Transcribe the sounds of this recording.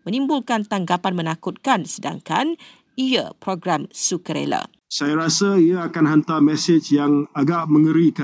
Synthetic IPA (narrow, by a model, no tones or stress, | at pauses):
mə̃nimbulkant̪aŋɡapanmə̃nakut̪̚kansəda̰ŋkan | ia̰pɾoɡɾamsukəɾḛla̰ | sajaɾasaiaakanɦant̪amɛsɪt͡ʃjaŋaɡaʔməŋəɾika